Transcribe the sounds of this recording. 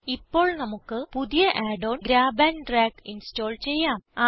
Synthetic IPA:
ipːo̞ːɭnɐmukːɨpuðijɐʔaːɖoːnɡɾaːbaːnʈraːkinsto̞ːlt͡ɕe̞jːaːmaː

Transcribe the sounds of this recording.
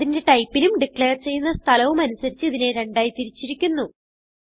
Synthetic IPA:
ðinde̞ʈɐjpːilumɖikɭeːrt͡ɕe̞jːunːɐst̪ʰɐlɐʋumɐnusɐɾit͡ɕːɨiðine̞ɾe̞ɳɖaːjit̪iɾit͡ɕːiɾikʲːunːu

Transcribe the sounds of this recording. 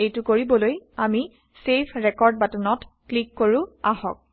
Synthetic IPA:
ejtʊkoɹibɔlojami | sepʰɹɛkɔɹd̚batɔnɔtklikːoɹʊ̃ahɔ̰k̚

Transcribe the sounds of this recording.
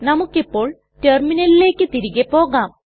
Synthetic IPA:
nɐmukːipːo̞ːɭ | terminɐlile̞ːkːɨt̪iɾiɣepo̞ːɣaːm

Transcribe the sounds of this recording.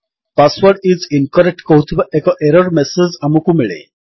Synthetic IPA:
pasʋəɾɖid͡zinkəɾek̚ʈkoɦut̪ʰiʋekəʔeɾəɾmɛsed͡zamukumiɭḛ

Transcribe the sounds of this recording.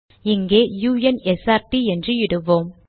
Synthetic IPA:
ɪŋɡeːjuːjɐnɛsaːɾtiɛndrɯɪɽɯʋoːm

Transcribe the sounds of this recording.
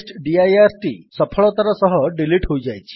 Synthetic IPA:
sʈɖiajaɾʈḭːsəpʰəɭɔt̪aɾasɔɦɔɖiliʈɦoud͡ʑajt͡ɕʰi̥

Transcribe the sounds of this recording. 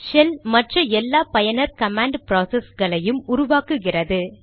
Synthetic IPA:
ʃɛlmɐʈrɐɛlːaːpɐjɐnɐɾkɐmaːɳɖpɾaːsɛsɣɐɭɐjɯmʊɾʊʋaːkɯɣɪrɐðɯ

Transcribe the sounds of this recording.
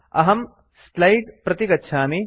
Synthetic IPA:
ɐ̰ɦɐm | slɐjʈpɾɐt̪ikɐtːʃʰaːmi

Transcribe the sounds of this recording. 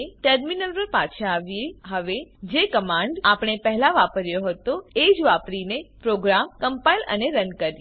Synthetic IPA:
eʈəɾminəlpəɾpat͡ʃʰaːʋjeɦəʋed͡ʒekəmãɳɖapɳ̃epəɦlaʋapəɾjoɦət̪oed͡ʒʋapɾinepɾoɡɾamkəmpailə̰neɾənkəɾj

